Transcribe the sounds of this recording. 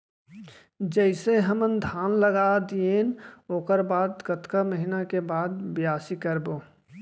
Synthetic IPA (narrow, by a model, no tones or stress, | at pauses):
d͡ʒəɪseɦəmənd̪ʱaːnləɡad̪ieːnoːkəɾbaːd̪ɡət̪kaməɦɪnakebaːd̪̚bɪjaːsikəɾboː